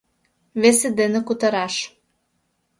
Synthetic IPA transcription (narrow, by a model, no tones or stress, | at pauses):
βesɘ̆d̪enĕkut̪ɤɾɑʃ